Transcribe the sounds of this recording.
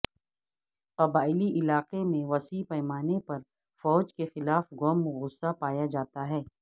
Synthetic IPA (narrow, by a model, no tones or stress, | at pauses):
qɐbaːɪliʔɪlaːqemẽʋɐsiːpɛːmaːnepɐɾ | fɔːd͡ʒkexɪlaːfɣɔːmɣʊsːapaːjad͡ʒaːt̪aɦɛː